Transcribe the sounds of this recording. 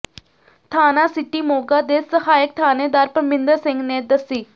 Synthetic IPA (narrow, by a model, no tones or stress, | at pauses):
t̪ʰaːnaːsɪʈiːmoːɡaːd̪eːsəhaːjək̚t̪ʰaːneːd̪aːɾpəmɪ̃nd̪əɾsɪ̃ŋɡneːd̪əsiː